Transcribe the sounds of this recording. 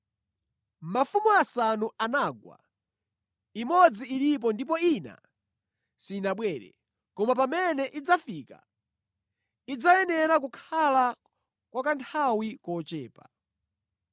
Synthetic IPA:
mmafumuasanuanaːɡwa̰ | imɔd͡ziːɾip̬ɔndip̬ɔina̰ | sinaɓwɛːɾɛ̰ | kɔmapamɛnɛʔid͡zafika̰ | id͡zajɛnɛɾak̬ukʰala | kwakantʰawikɔt͡ʃɛːpa̰

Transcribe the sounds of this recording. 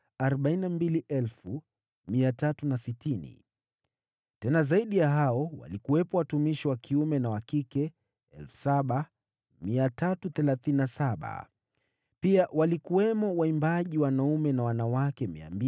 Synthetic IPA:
aɾɔɓainambiliʔɛlfu | miatatunasitinḭ | tɛnazaiɗijaɦaɔwa̰likuwɛpɔwatumiʃiwakʰiumɛnawakikɛ | ɛlfu̥saɓa | miatatuθɛlaθininasaɓa̰ | piawalikuwɛmɔwaimbaʄiwanaumɛnawanawakɛmḭa̰mbi

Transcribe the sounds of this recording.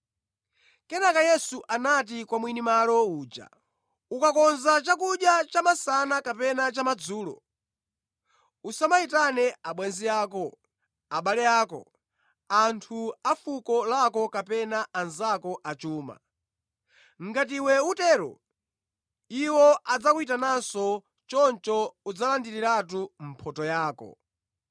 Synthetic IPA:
kɛnakajɛsuʔanat̬ikwamwinimalɔuːd͡ʒa̰ | ukakɔnzat͡ʃakuɗjat͡ʃamasanakapɛnat͡ʃamad͡zuːlɔ̰ | usamaitanɛaɓwɛnziaːkɔ | aɓalɛaːkɔ̰ | antʰuafukɔlakɔkapɛnaːnzakɔʔat͡ʃuːma̰ | ŋɡat̬iwɛutɛːɾɔ̰ | iwɔʔad͡zakuitanasɔ | t͡ʃɔnt͡ʃɔud͡zalandiɾiɾatum̩pʰɔtɔjaːkɔ̰

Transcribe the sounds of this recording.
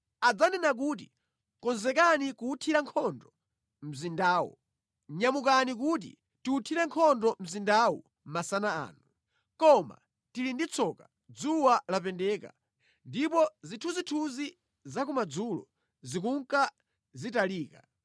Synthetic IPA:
ad͡zanɛnak̬ut̬i | kɔnzɛkanikuutʰiɾaŋkʰɔndɔ | m̩zindaːwṵ | ɲamukanik̬ut̬ḭ | tiutʰiɾɛŋkʰɔndɔm̩zindawṵ | m̩masanaa̰ːnu | kɔma̰ | tilindit͡sʰɔka | d͡zuwalapɛndɛːka̰ | ndipɔzitʰuzitʰuzi | zakumad͡zulɔ̰ | zikuŋka | zitaliːka

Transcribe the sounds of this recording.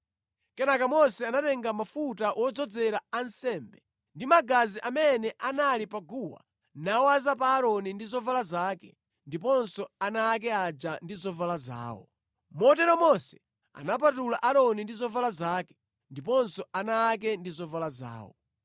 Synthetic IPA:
kɛnakamɔsɛanatɛŋɡamafutawʔɔd͡zɔd͡zɛɾaansɛmbɛ | ndimaɡaziʔamɛnɛʔanalipaɡuwa̰ | nawazapaːɾɔnindizɔvalazaːkɛ | ndipɔnsɔanaːk̬ɛad͡ʒandizɔvalaza̰ːwɔ̰ | mɔtɛɾɔmɔsɛ | a̰nap̬atulaʔaɾɔnindizɔvalazaːkɛ̥ | ndipɔnsɔanaːk̬ɛndizɔvalaza̰ːwɔ̰

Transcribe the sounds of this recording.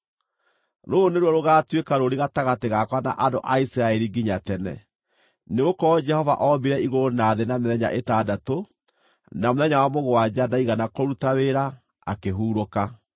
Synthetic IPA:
ɾooneɾwɔɾoɣaːtwekaɾoɾiɣataɣateɣakwana̰ʔandoʔaisiɾaɛɾiɡiɲatɛnɛ̰ | neɣokɔd͡ʒɛhɔva̰ʔɔmbiɾɛiɣoonaðenameðɛɲa̰ʔetadato | namoðɛɲawamoɣwad͡ʑadaiɣanakoɾutaweɾa | a̰keɦuːɾoka

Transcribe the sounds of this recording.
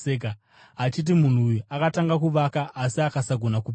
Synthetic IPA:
eka | ɦat͡ʃit̬imun̤uːjuakataŋɡakuʋakaʔːsiakasaɡʱo̞nakup

